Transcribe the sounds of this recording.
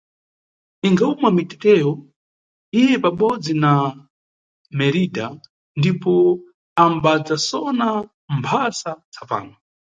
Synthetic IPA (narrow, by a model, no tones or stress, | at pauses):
iŋɡaumamitɛtɛjɔ | ijɛpaɓɔd͡zina | mɛɾida | ndipɔ | ambad͡zasɔna | mpʰasat͡sʰapa̰ːŋɡa